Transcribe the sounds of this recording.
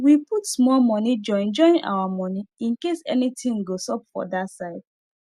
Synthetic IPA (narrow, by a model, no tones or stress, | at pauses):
wiputsmɔlmɔnid͡ʒɔ̃ɪ̃nd͡ʒɔ̃ĩnʔa̰wamɔniĩnkesɛ̰nitĩŋɡosɔpfɔ̰dasaɪd̥̚